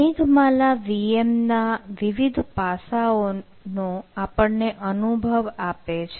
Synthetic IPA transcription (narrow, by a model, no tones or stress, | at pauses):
ĩɡmalaʋiemnaʋiʋid̪ʱpasao | nõapəɳneʔənubʱəʋapet͡ʃʰe